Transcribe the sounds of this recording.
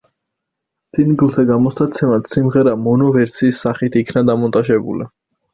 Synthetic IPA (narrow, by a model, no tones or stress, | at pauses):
sinɡlˠzɛɡamɔsat̪sʰɛmat̪simʁɛɾamɔnɔvɛɾt̪sʰiːsːaχit̪ʰikʰnad̪amɔnt̪ʼaʒɛbṵli